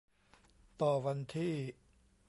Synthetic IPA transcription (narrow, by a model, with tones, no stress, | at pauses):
t̪ɔː˨˩wa˧nt̪ʰiː˥˩